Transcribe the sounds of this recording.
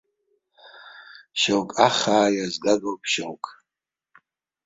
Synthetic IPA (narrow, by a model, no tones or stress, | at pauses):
ʃawkʼaχaːjazɡaɡowpʰʃawkʼ